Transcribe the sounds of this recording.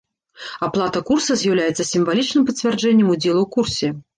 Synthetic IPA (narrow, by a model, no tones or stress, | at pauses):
aplˠat̪ɐkursɐzʲjawlʲajɛt̪sːɐsʲimvalʲit͡ʂnɨmpɐt͡sʲvʲard͡ʐɛnʲːɛmud͡zʲɛlˠukursʲɛ